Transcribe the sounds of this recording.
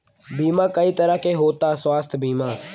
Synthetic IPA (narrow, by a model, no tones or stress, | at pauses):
biːmãːkəit̪əɾəɦkeɦoːt̪aːswaːst̪ʰbiːmaː